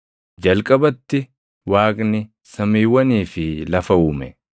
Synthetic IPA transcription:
d͡ʒɐlkʼɐbɐt̪ːɪ | waːkʼnɪ | sɐmiːwɐniːfɪlɐfɐʊːmɛ

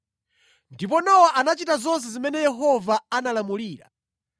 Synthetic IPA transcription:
ndip̬ɔnɔwaʔanat͡ʃitazɔns̬ɛzimɛnɛjɛɦɔvaanalamuliːɾa̰

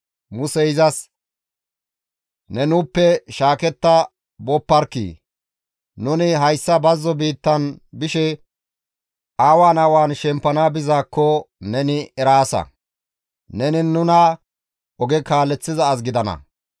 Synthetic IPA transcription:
mʊsɛɪzɐs | nɛnʊpːɛʃaːkɛt̪ːɐ | bɔpːɐɾkḭː | nʊnɪɦɐjsːɐbɐzːɔbiːt̪ːɐnbɪʃɛ | aːwaːnɐwaːnʃɛmpːɐnaːbɪzaːkːɔnɛnɪɛɾaːsɐ̰ | nɛnɪnːʊnɐ | ɔɡɛkaːlːɛt͡sːɪzɐːs̬ɡɪd̪ɐnɐ̰

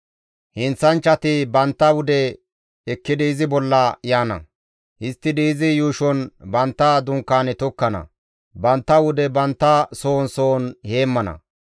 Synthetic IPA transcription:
hɪnt͡sːɐnt͡ʃːɐt̪ɪbɐnt̪ːɐwʊd̪ɛ | ɛkːɪd̪ɪɪzɪbɔlːɐjaːnɐ̰ | hɪst̪ːɪd̪ɪɪzɪjuːʃɔnbɐnt̪ːɐd̪ʊŋkːaːnɛt̪ɔkːɐnɐ̰ | bɐnt̪ːɐwʊd̪ɛbɐnt̪ːɐso̞ːnsoːnhe̞ːmːɐnɐ̰

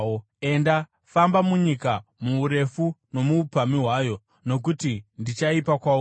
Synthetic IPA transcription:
e̞nda | fambamuɲikamuːɾe̞funo̞muːpamiɦwajo̞ | no̞k̬utindit͡ʃaipakwa

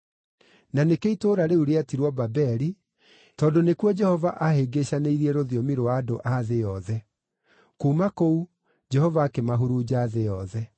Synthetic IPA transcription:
nanekeitoːɾaɾeuɾeatiɾwɔbabɛɾi | tɔːndonekwɔd͡ʒɛhɔvaʔaɦeɡeɕaneiɾiɛɾoðiɔmiɾoaːdoʔaðejɔðɛ | koːmakou | d͡ʒɛhɔvaːkemaɦuɾuːd͡ʑaːðejɔðɛ

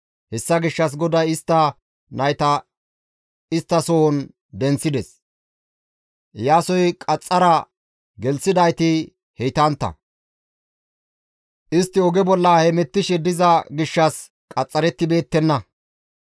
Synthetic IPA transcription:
hɛsːɐɡɪʃːɐs̬ɡɔd̪ɐjɪst̪ːɐ | nɐjt̪ɐ | ɪst̪ːɐsoɔn | d̪ɛnt͡sːɪd̪ɛs | jaːsɔjkʼɐt͡sʼːɐɾɐ | ɡɛlsɪd̪ɐjt̪ɪ | hɛjt̪ɐnt̪ːɐ̰ | ʔɪst̪ːɪɔɡɛbɔlːɐhɛmɛt̪ːɪʃɛd̪ɪzɐɡɪʃːɐs | kʼɐt͡sʼːɐɾɛt̪ːɪbe̞ːt̪ːɛnːɐ

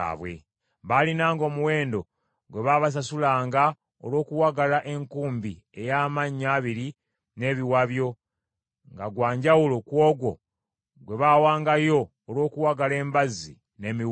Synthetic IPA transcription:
βwḛ | βalinaːŋɡo̞ːmuwe̞ːndo̞ | ɡwe̞βaβas̬asulaːŋɡa | o̰lwo̞ːkuwaɡalaʔe̞ŋkuːmbi | e̞jaːmaɲːaːβiɾi | ne̞βiwaβjo̞ | ŋɡaɡwaːɲɟawulokwo̞ːɡwo̞ | ɡwe̞βaːwaːŋɡajo̞ː | lwo̞ːkuwaɡale̞ːmbazḭ | ne̞mi

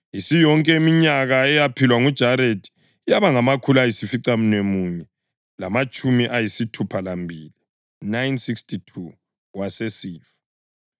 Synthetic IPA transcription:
isijɔŋkʼɛmiɲaɣaɛjapʰilwaŋud̥ʒ̥ʱaɾetʰi̥ | jaβaŋamakʰulajisifiǀam̩nemuːɲɛ | lamat͡ʃʼumiʔajisitʰupʰalambʱiːli | najnsikstʰitʰu | wasesiːfḁ

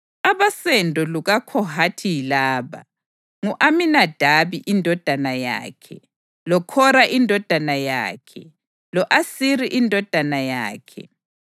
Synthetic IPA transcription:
aβasɛndʱɔluɣakʰɔɦatʰijilaːβa̰ | ŋuʔaminad̥ʱaβiʔindʱɔd̥ʱanaja̰ːkʰɛ̰ | lɔkʰɔɾaʔindʱɔd̥ʱanaja̰ːkʰɛ̰ | lɔʔasiɾiʔindʱɔd̥ʱanaja̰ːkʰɛ̰

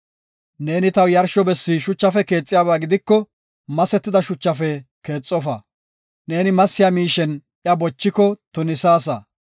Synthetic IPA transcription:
ne̞ːnɪt̪ɐwjɐɾʃɔbɛsːiʃʊt͡ʃːɐfɛke̞ːt͡sʼːɪjaːbaːɡɪd̪ɪkːɔ | mɐsɛt̪ːɪd̪ɐʃʊt͡ʃːɐfɛ | ke̞ːt͡sʼːɔfɐ̰ | ne̞ːnɪmɐsːɪjaːmiːʃɛnʔjɐbɔt͡ʃːɪkɔt̪ʊnɪsaːs̬ɐ

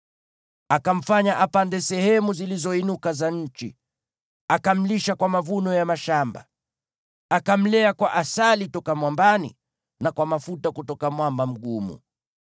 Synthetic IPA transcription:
akam̩faɲaʔapandɛsɛhɛmuzilizɔinukazaɲ̩t͡ʃi | akam̩liʃakwamavunɔjamaʃamba̰ | akam̩lɛakwaʔasalitɔkamwambanḭ | nakwamafutakutɔkamwambam̩ɠumṵ

